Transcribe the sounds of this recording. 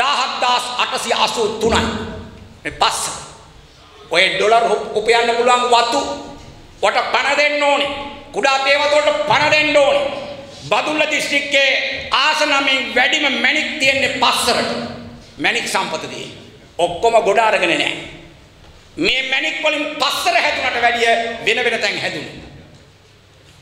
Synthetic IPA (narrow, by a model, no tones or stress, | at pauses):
daːɦɐt̪d̪aːsaʈɐsia̰suːt̪unan | epasːɐɾə | ojeɖolɐɾupɐjanːɐpuluʋaŋʋat̪u | ʋɐʈəpɐnɐd̪enːoːnekuɖaːt̪eːʋat̪uoʈɐpɐnɐd̪enɖoːne | bad̪ulːɐd̪isʈikːeːaːsɐnamiŋʋæɖiməmɛnik̚t̪ijenːepasːəɾəʈə | mɛniksampɐt̪ət̪ḭjḛ | okːoməɡoɖaːɾəɡənenɛ̰ː | meːmænikʋolimpasːəɾəɦæt̪unɐʈəʋæɖijəʋenəʋenət̪ɛŋhæd̪un